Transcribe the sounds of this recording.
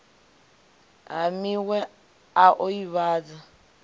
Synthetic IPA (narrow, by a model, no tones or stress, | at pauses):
amiwɛ | aʔoiβaːd͡za